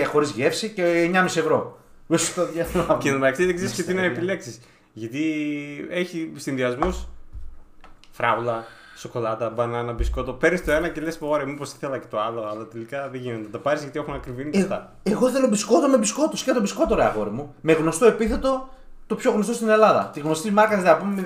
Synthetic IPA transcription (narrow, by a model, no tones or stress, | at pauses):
exo̞ɾizʝe̞fsiceːɲɐmisie̞vɾo̞ | ist̪oðjɐɐenɐmeɐksiðiksiscet̪inɐepile̞ksis | ʝɐt̪i | eçisinðiɐzmus | fɾɐulɐ | so̞ko̞lɐt̪ɐbɐnɐnɐbisko̞t̪opeɾnist̪o̞enɐce̞lespooɾemiposi̥θelɐcet̪oɐlo̞ɐlɐt̪elikɐðeʝinont̪et̪ɐpɐɾizʝɐt̪iexunɐkɾivinit̪ɐ | eɣoθenobisko̞t̪eomebisko̞t̪oscet̪obisko̞t̪eɾeɐ̰ɣo̞ɾimume̞ɣno̞st̪o̞epiθe̞t̪o̞t̪o̞pço̞ɣnost̪o̞st̪ine̞lɐðɐ̰t̪iɣno̞st̪izmɐkɐnizðeɐpumeme